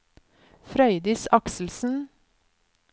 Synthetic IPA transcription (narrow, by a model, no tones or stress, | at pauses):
fɾœʏd̪ɪsɑksl̩sn̩